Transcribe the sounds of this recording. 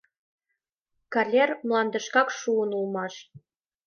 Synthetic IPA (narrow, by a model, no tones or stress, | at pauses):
kɑlʲermlˠɑnd̪ɤ̆ʃkɑkʃuənulˠmɑʃ